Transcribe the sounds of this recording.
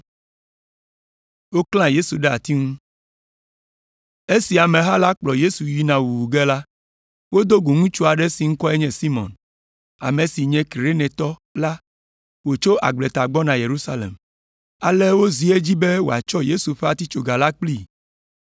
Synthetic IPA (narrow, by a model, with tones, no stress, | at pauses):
wo˦kl̃ã˦je˦su˨ɖɛ˦a̰˨t̪i˦ŋũ˦ | e˦si˨a˨mẽ˨ɦa˦la˦k͡plɔ˨je˦su˨ji˦nã˨wu˨wu˨ɡɛ˦la˦ | wo˦d̪o˦ɡo˨ŋũ˦t͡ʃu˦a˨ɖɛ˦si˨ŋ̩˦kɔ˦ɛ˦ɲɛ̃˦si˦mɔ̰̃˨n | a̰˨mẽ˨si˨ɲɛ̃˦ki˨ɾe˦nɛ̃˨t̪ɔ˦la˦ | wo˨t͡ʃo˦ʔa̰˨ɡ͡ble˨t̪a˨ɡ͡bɔ˦nã˨je˨ɾu˦sa˦lḛ˨m | a˨le˦wo˦zi˨˦e˦d͡ʑi˦be˦wo̰˨a̰˨t͡ʃɔ˦je˦su˨ɸɛ˦a˨t̪i˦t͡ʃo˨ɡa˨la˦k͡pli˦